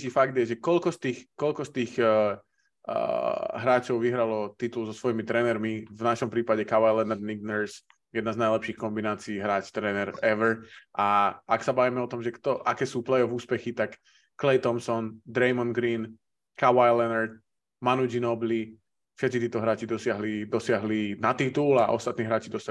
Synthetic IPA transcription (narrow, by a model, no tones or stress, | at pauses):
t͡ʃiːfaɡd̪jɛʒɛkɔʎkɔst̪iːxkɔʎkɔst̪iːx | ɦɾaːt͡ʃɔʊʋiɦɾalɔt̪it̪ulzɔsʋɔjimit̪ɾɛːnɛɾmivnaʃɔmpɾiːpaɟɛkaʋajlɛnaɾniɡ̚nɛɾs | jɛd̪naznajlɛpʃiːxkɔmbinaːt͡siːɦɾaːt͡ʃt̪ɾɛːnɛɾɛʋɾʔaaksabaʋimɛɔt̪ɔmʒɛkt̪ɔʔakɛːsuːplɛjɔvuːspɛxit̪akː | lɛjt̪ɔmsɔnd̪ɾɛjmɔnɡɾiːn | kaʋajlɛnaɾt̪̚ | manuɟinɔbli | fʃɛt̪̚t͡sit̪iːt̪ɔɦɾaːt͡ʃid̪ɔsɪaɦlid̪ɔsɪaɦlinat̪it̪ulaʔɔ̰st̪at̪niːɦɾaːt͡ʃid̪ɔsa